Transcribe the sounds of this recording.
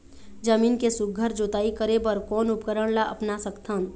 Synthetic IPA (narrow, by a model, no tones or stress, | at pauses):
d͡ʒəmiːnkesʊɡ̚ɡʱəɾd͡ʒoːt̪aːikəɾebəɾkɔːnʊpkəɾəɽ̃laʔɐpnasəkt̪ʰən